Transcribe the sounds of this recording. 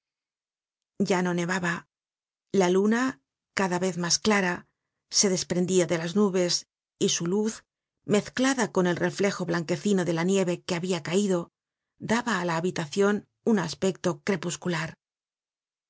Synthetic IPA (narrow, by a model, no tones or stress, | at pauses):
ɟ͡ʝano̞ne̞βaβa | laluna | kaðaβe̞θmasklaɾa | se̞ðe̞spɾe̞nd̪iaðe̞laznuβe̞s | isuluθ | me̞θklaðako̞ne̞lrʔe̞fle̞xo̞βlaŋke̞θino̞ðe̞lanje̞βe̞keaβiakaiðo̞ | d̪aβaːlaːβit̪aθjo̞n | unaspe̞k̚t̪o̞kɾe̞puskulaɾ